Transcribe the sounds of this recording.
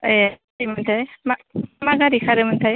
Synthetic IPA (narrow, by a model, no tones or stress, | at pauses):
imant̪ʰajmamaɡaɾikʰaɾɯmɯntʰaj